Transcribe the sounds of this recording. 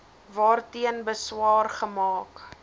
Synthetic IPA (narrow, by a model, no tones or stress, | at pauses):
vɑːrtiənbəswɑːrχəmɑːk